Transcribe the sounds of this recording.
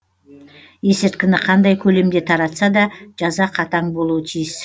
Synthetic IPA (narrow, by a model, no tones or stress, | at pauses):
je̞sɪɾt̪̚kʲɪnɪqʰɑnd̪ɑjkʲʰɵle̞md̪e̞t̪ʰɑɾɑt̪sɑd̪ɑʒ̥ɑzɑqʰɑt̪ɑɴbo̞lˠuwət̪ʰijɪs